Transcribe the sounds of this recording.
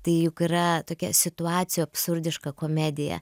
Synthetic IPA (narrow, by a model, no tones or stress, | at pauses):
t̪ɐɪjʊkiɾɐt̪oːkʲɛ̰sʲɪt̪ʊɑːt̪sʲɪjuːɐpsʊɾʲd̪ʲɪʃkɐkoːmʲæd̪ʲɪjɛ̰